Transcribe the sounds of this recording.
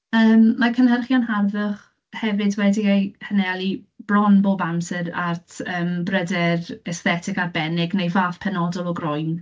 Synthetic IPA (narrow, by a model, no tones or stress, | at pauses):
əːmmakʰənɦərχjɔnɦarvəχ | hɛvɨdwɛdiejhənɛalˠi | b̥lɔnboːbamsɨɾartʰəːmbrədɛrɛsθɛtʰɪkarbɛnɪɡnejvaːfpʰɛnɔdɔlˠɔɡrʊjn